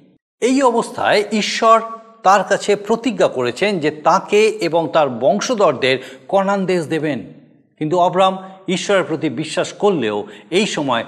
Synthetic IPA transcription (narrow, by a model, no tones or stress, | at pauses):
ejɔbost̪ʰa̰eʔiʃːɔɾt̪aɾkat͡ɕʰepɾot̪iɡːakoɾet͡ɕʰend͡ʑet̪akeeboŋt̪aɾbɔŋʃod̪ɔɾd̪eɾkɔnand̪es̬d̪eben | kint̪uabɾamiʃːɔɾeɾpɾot̪ibiʃːaʃkoɾːeoejʃɔmɔe